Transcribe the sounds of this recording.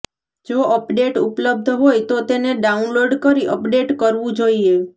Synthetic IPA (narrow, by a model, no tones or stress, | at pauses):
d͡ʒoʔəpɖeʈupləb̚d̪ʱɦojt̪ot̪eneɖaunloɖkəɾiʔəpɖeʈkəɾʋũd͡ʒoie